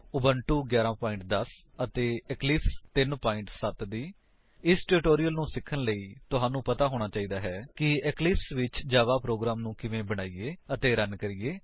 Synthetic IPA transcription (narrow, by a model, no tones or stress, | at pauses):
ʊbəɳʈuːɡjaːɾãːpaːɪ̃ɳʈ̚d̪əs | ət̪eːɛklɪːpʰst̪ɪnpaːɪ̃ɳʈsət̪d̪iː | ɪsʈɛɾɪʈoːɾijəlnũːsɪkʰːənləiːt̪ʊɦãːnũːpət̪aːɦoːɽ̃aːt͡ʃaːiːd̪aːɦɛːkɪɛklɪːpsʋɪt͡ʃd͡ʒaːʋaːpɾoːɡɾaːmnũːkɪʋẽːbəɽ̃aːiːeːət̪eːɾənkəɾiːeː